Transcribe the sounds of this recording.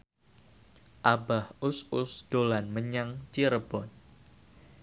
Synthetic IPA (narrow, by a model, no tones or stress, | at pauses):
ʔabahʊsʊsd̥olanməɲaŋt͡ʃiɾəb̥ɔn